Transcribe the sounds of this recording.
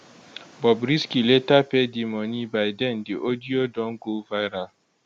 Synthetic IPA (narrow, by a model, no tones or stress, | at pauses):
bɔbɾiskiletapedimɔnibajdɛndiʔodijodɔŋɡovajɾal